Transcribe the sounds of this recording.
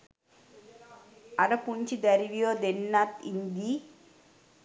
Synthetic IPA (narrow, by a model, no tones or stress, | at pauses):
ɐɾɐpuɲt͡ʃid̪ɐɾiʋijoːd̪enːat̪ind̪i